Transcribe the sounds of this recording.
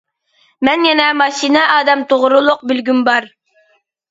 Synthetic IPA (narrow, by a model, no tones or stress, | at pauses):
mɛnjɛnɛmɑʃinɛʔɑːd̪ɛmt̪ʰoʁɾulˠʊq̚bɪlɡʲymbɑɾ